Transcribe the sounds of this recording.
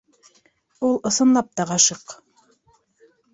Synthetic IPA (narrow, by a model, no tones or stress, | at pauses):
ulˠɤ̆sɤ̆nlˠɑp̚t̪ɑʁɑʃɤq